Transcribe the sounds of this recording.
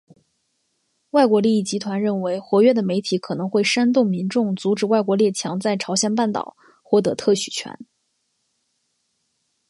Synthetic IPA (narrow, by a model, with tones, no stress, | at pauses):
wa˥˩ɪkwɔ˧˥li˥˧i˥˩t͡ɕi˧˥t̪ʰwa˧˥nɻə˥˩nwe˧˥ɪxwɔ˧˥ɥɛ˥˩d̪ə˩me˧˥ɪt̪ʰi˨˧˥kʰɤ˨˩nɤ˧˥ŋxwe˥˩ɪʂa˥nt̪̬ʊ˥˩ŋmi˧˥nʈ͡ʂʊ˥˩ŋt͡su˧˥ʈ͡ʂɻ̩˨˩wa˥˩ɪkwɔ˧˥ljɛ˥˩t͡ɕʰjɑ˧˥ŋt͡sa˥˩ɪʈ͡ʂʰɑ˧˥ʊɕjɛ˧˥npa˥˩nt̪ɑ̰˨˩ʊ | xwɔ˥˩t̪ɤ˧˥t̪ʰɤ˥˩ɕy˨˩t͡ɕʰɥɛ̰˧˥n